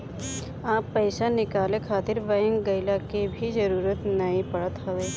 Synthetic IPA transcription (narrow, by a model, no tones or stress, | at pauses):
aːpːəːɪsanɪkaːlẽkʰaːt̪ɪɾʋəjə̃ŋɡɐɪlakebʱizəɾuːɾət̪nɐĩpɐɽət̪ɦɐleː